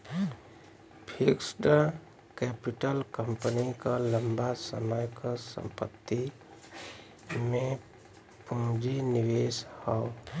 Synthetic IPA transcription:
pʰiksɖə | kɛpɪʈəlkəmpənikaləmbasə̰məjkasə̰̃mpət̪ːi | mẽ | puːd͡ʒinɪʋeːshɔo

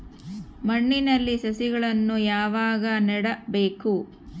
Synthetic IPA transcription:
mɐɳːinɐlːisɐsiɡɐɭɐnːujaːʋaːɡɐnɛɽɐbeːku

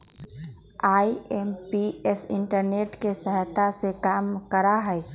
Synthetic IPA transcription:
aːiempiesɪ̰̃ɳʈəɾneːʈkesəɦət̪ːasekaːmkəɾaɦɛɛ

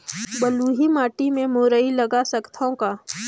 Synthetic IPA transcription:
bəluːɦimaːʈimẽmoːɾəilɐɡasɐkt̪ʰõkaː

